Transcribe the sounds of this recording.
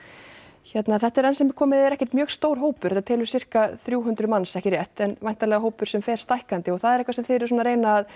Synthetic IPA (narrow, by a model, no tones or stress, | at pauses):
çɛt̪naθɛht̪ɛɾɛnsɛmɛkʰɔːmɪðɛɾɛhcɛ̥ɾ̥t̪mjœːɣst̪oːwɾ̥ɦoːwpʏɾ̥ɛt̪ːat̪ʰɪːlʏɾ̥sɪr̥kaθɾjuːɦʏnt̪ɾʏmansɛhcɪɾrjɛht̪ɛnvajn̥t̪alɛɣaɦoːwpʏɾ̥sɛmfɛːɾ̥st̪ajhkant̪ɪɔɣθaðɛɾɛhkvasɛmθɪɾ̥sɔːnaɾejnaːð